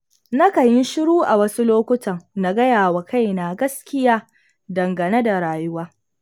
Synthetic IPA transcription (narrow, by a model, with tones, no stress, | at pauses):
nɐ˦kɐ˨jɪ˦ʃɪ˦ɽuː˦ʔa˨wɐ˦su˦loː˦kʷʊ˦tɐ˨ŋna˦ɡɐ˦jaː˨wa˨ka˦jna˨ɡɐ˦skʲɪ˦jaː˦ | dɐ˨ŋɡɐ˨ne˦da˨ɽaː˨jʊ˦waː˦